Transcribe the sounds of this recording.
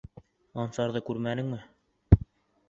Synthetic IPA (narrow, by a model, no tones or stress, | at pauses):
ɑnsɑɾðɤkʉɾmænɘ̆ŋmɘ